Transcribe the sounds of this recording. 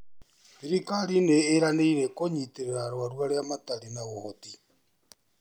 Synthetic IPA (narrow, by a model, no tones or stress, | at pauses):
βiɾikaɾineːɾaneiɾekoɲiteɾeɾaɾwaɾwaɾeamataɾinaɣohoti